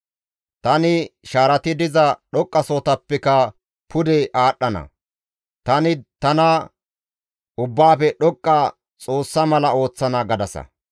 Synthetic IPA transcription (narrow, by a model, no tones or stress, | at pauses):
t̪ɐnɪʃaːɾɐt̪ɪd̪ɪzɐɗɔkʼːɐsoːt̪ɐpːɛkɐ | pʰʊd̪ɛʔaːɗːɐnɐ̰ | t̪ɐnɪt̪ɐnɐ | ʊbːaːfɛɗɔkʼːɐ | t͡sʼo̞ːsːɐmɐlɐo̞ːt͡sːɐnɐɡɐd̪ɐsɐ̰